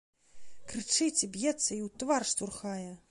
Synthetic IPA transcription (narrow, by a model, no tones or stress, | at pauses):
kɾɨt͡ʂɨt͡sʲibjɛt̪sːɐiwt̪varʂt̪urxajɛ